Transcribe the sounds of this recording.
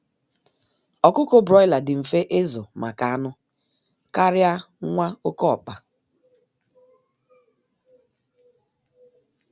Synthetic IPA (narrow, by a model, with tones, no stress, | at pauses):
ɔ˨kʊ˦ko˦bɾɔ˦jla˨dɪ˨m̩˨fe˦ʔe˦zʊ˨ma˨ka˨a˦nʊ˦ | ka˦ɾja˦ | ŋʷa˦o˦kɔ˦ɔ̰˨k͡pa˨